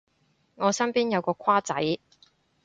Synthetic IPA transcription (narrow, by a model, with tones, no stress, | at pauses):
ŋɔː˨˧sɐ˥mpiː˥njɐ˨˧wkɔː˧kʷʰwaː˥t͡sɐ˨˥j